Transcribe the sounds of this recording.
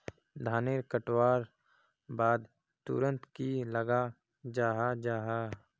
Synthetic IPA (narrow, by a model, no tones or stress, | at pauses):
d̪ʱaːneːɾkəʈwaːɾ | baːd̪ | t̪ṵɾə̃nt̪kiləɡa | d͡ʒaːɦad͡ʒaːɦaː